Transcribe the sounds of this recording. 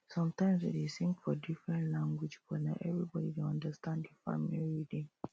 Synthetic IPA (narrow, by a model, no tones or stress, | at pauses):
sʌ̃mtãɪ̃msḭdesĩŋkfɔdifɹɛ̃ntlãŋɡwid͡ʒbɔnãʔɛvɹibɔdidoãndəstãndifa̰miliɹidĩŋ